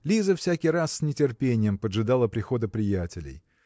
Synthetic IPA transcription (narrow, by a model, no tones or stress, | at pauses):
lʲizəfsʲækʲɪjɾasːʲnʲɪtʲɪrpʲenʲɪjəmpədʐɨd̪alˠəpɾʲɪxo̞d̪əpɾʲɪjætʲɪlʲɪ̰j